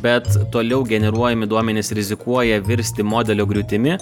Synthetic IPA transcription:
bʲɛt̪ːoːlʲɛʊɡʲɛnʲɛɾuɔjɛmʲɪd̪uɔmʲɛnʲɪsɾʲɪzʲɪkuɔjɛʋʲɪɾʲsʲt̪ʲɪmoːd̪ʲɛlʲoːɡɾʲʊt̪ʲɪmʲɪ

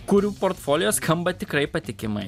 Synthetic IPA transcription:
kuːɾʲuːpoːɾt̪foːlʲɪjoːskʰɐmbɐt̪ʲɪkɾɐɪpɐt̪ʲɪkʲɪmɐɪ

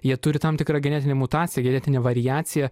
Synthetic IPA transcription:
jiɛt̪ʊɾʲɪt̪ɐmt̪ʲɪkɾɑɡʲɛnʲæːt̪ʲɪnʲemʊt̪ɑːt̪t͡s̪ʲsʲɪjɛɡʲɛnʲɛːt̪ʲɪnʲeɛʋɐɾʲɪjæːsʲɪjɛ

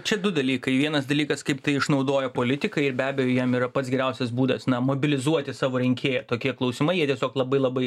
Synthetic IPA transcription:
t͡ʃʲɛd̪ʊd̪ɐlʲiːkɐɪʋʲiɛnɐsd̪ɐlʲiːkɐskɐɪpt̪ɐɪɪʃnɐʊd̪oːjɛpoːlʲɪt̪ʲɪkɐɪɪɾbʲæːbʲɛjoːjiɛmiːɾɐpɐt̪sɡʲɛɾʲæʊsʲɛsbuːd̪ɐsnɐmoːbʲɪlʲɪzuɔt̪ʲɪsɑːʋoːɾʲɪŋʲkʲʰeːjɛt̪oːkʲiɛklˠɐʊsʲɪmɐɪjiɛtʲiɛsʲoːklˠɐbɐɪlˠɐbɐɪ

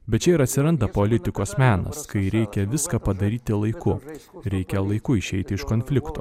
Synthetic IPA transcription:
bʲɛt̪t͡ʃʲɛɪɾɐt̪ʲsʲɪɾɐnd̪ɐpoːlʲɪt̪ʲɪkoːsmʲæːnɐ̰skɐɪɾʲɛɪkʲɛʋʲɪskɐpɐd̪ɐɾʲiːt̪ʲɪlˠɐɪkʊɾʲɛɪkʲɛlˠɐɪkʊɪʃʲɛɪt̪ʲɪɪʃkoːnʲfʲlʲɪkt̪o̰ː

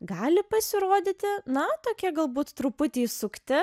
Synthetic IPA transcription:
ɡɑːlʲɪpɐsʲɪɾoːd̪ʲɪt̪ʲɪnɐt̪oːkʲiɛɡɐlˠbuːt̪ːɾʊpʊt̪ʲɛjsʊkt̪ʲɪ

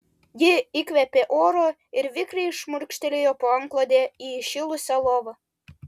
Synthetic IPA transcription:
jeikβæpeʔoɾo | erβʲikrijʃmuɾikʃt̪elʲejopoɑŋklod̪eiɕilusʲɑloβɤ̆

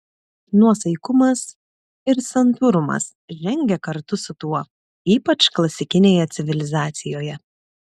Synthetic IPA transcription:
nuɔsɐɪkʊmɐs | ɪɾsɐnt̪ʊɾʊmɐ̰s | ʒʲɛŋʲɡʲɛkɐɾt̪ʊsʊt̪uɔ | iːpɐt͡ʃklˠɐsʲɪkʲɪnʲeːjɛt̪sʲɪʋʲɪlʲɪzɑːt̪sʲɪjoːjɛ

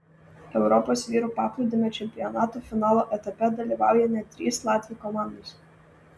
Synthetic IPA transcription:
ɛʊɾɔposʋʲiːɾupɑːklʲˠud̪ʲɪmʲɛt͡ʃʲɛmʲpʲɪɔnɑːt̪ufʲɪnɑːlˠoʔɛt̪ɐpʲɛd̪ɐlʲiʋɑˑʊjɛnʲɛt̪ʲɾʲiːslˠɑːt̪ʲʋʲikɔmɑˑnd̪os

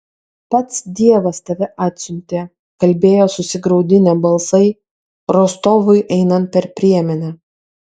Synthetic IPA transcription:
pɐt̪sd̪ʲiɛʋɐst̪ɐʋʲɛʔɑːt̪ʲsʲʊnʲt̪ʲeː | kɐlʲbʲeːjoːsʊsʲɪɡɾɒʊd̪ʲɪnʲɛbɐlˠsɐɪ | ɾoːst̪oːʋʊɪʔɛɪnɐnt̪̚pʲɛɾpʲɾʲiɛmʲɛnʲɛ

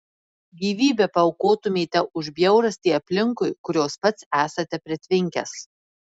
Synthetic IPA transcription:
ɡʲiːʋʲiːbʲɛpɐɐʊkoːt̪ʊmʲeːt̪ʲɛʔʊʒbʲjɛʊɾɐsʲt̪ʲiːɐpʲlʲɪŋkʊɪkʊɾʲoːspɐt̪sæːsɐt̪ʲɛpʲɾʲɛt̪ʲʋʲɪŋʲkʲɛ̰s

